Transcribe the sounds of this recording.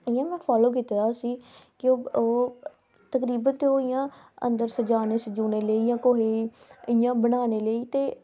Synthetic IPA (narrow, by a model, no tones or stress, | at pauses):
əjːãːmɛ̃ːpʰaːloːk̬it̪ːɾaːsiːkɪoːoː | t̪əkɾiːbənt̪eoːɪjãː | ə̰nd̪əɾsəd͡ʒaːneːsəd͡ʒuːneːləiːjãːkoɦeːiːəɪjãːbəñaːneːləiːt̪eː